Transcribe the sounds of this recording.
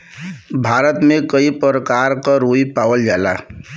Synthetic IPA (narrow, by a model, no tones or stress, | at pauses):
bʱaːɾət̪mekəipɾəkaɾkaɾoipaːwəld͡ʒaːla̰